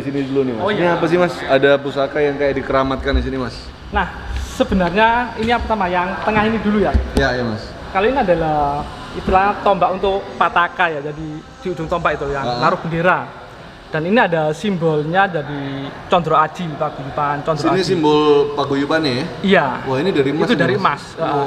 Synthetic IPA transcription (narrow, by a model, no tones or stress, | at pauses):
isinidulunimaapas̬ɪhmasadapusakajaŋkajaʔdikəɾamat̪̚kandis̬inimas | nah | səbənarɲainiapasamajaŋt̪əŋaɦinidulujajajamas | kaloiniadala | it̪ilaɲat̪ɔmbaʔunt̪ʊkpat̪akajad͡ʒadi | d̥iud͡ʒʊŋt̪ɔmbaʔit̪ujaŋlaɾʊhb̥əndeɾa | d̥aniniadasimbɔlɲad͡ʒadit͡ʃɔndɾɔad͡ʒ̥ipaɡ̥ujupant͡ʃɔnd̪ɾɔnisimbɔlpaɡujupanijawainidaɾimat̪udaɾimasə